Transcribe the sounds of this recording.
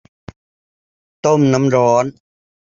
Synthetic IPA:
t̪o˥˩mna˦˥mɾɔː˦˥n

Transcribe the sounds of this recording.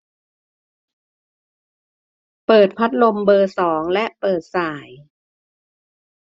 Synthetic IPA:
pɤː˨˩t̪̚pʰa˦˥t̪̚lo˧mbɤː˧sɔː˩˦ŋlɛ˦˥ʔpɤː˨˩t̪̚saː˨˩˦j

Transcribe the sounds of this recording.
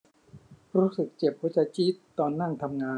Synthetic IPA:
ɾuː˦˥sɯ˨˩k̚t͡ɕe˨˩p̚huː˨˦˥t͡ɕa˧˩t͡ɕiː˦˥t̪ːɔː˧nːaː˥˩ŋt̪ʰa˧mŋaː˧

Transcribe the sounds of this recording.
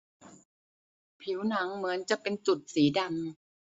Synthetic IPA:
pʰi˩˦wna˩˦ŋmɯ˩˦ənt͡ɕa˨˩ʔpe˧nt͡ɕu˨˩t̪̚siː˩˦da˧ŋ

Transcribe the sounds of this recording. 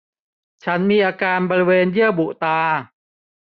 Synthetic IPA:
t͡ɕʰa˦˥nmiː˧ʔaː˧kaː˧nbɔː˧ɾi˦˧weː˧njɯ˥˩əbu˨˩ʔt̪aː˧

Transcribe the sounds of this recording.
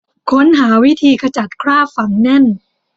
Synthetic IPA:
kʰo˦˥nɦaː˩˦wi˦˥t̪ʰiː˧kʰa˧t͡ɕa˨˩t̪̚kʰɾaː˥˩fa˩˦ŋnɛ˥˩n

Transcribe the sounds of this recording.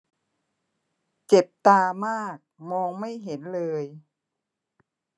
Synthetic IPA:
t͡ɕe˨˩p̚t̪aː˧maː˥˩k̚mɔː˧ŋma˥˩jɦe˩˦nlɤː˧j

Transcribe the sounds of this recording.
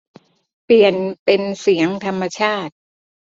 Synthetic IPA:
pli˨˩ənpe˧nsi˩˦əŋt̪ʰa˧mːa˧t͡ɕʰaː˥˩t̪̚

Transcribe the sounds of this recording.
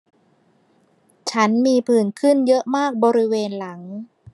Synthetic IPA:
t͡ɕʰa˦˥nmiː˧pʰɯː˨˩nkʰɯ˥˩njɤ˦˥ʔmaː˥˩k̚bɔː˧ɾi˦˥weː˧nla˩˦ŋ

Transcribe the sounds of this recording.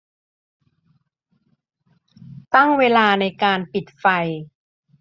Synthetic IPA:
t̪a˥˩ŋweː˧laː˧na˧jkaː˧npi˨˩t̪̚fa˧j

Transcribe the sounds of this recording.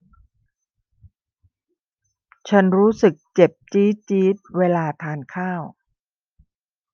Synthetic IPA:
t͡ɕʰa˦˥nɾuː˦˥sɯ˨˩k̚t͡ɕe˨˩p̚t͡ɕiː˦˥t͡ɕiː˦˥t̪̚weː˧laː˧t̪ʰaː˧nkʰaː˥˩w

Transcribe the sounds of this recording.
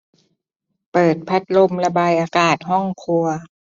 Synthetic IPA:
pɤː˨˩t̪̚pʰa˦˥t̪̚lo˧mla˧baː˧jʔaː˧kaː˨˩t̪̚ɦɔ˥˩ŋkʰu˧ɐ

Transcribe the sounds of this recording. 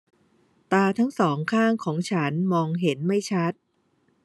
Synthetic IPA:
t̪aː˧t̪ʰa˦˥ŋsɔː˩˦ŋkʰaː˥˩ŋkʰɔː˩˦ŋt͡ɕʰa˦˥nmɔː˧ŋɦe˩˦nma˥˩jt͡ɕʰa˦˥t̪̚

